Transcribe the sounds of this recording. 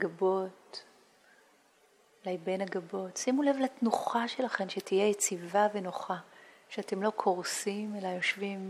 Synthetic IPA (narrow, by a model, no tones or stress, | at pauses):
ɡabo̞t | lajbenaɡabo̞tsimule̞vlatnuχaʃelaχe̞mʃetijejet͡sivave̞noχa | ʃeate̞mlo̞kʰoʁsimelajo̞ʃvim